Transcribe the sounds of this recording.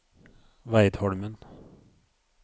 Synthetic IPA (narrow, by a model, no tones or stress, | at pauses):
ʋæɪd̪hɔɽmən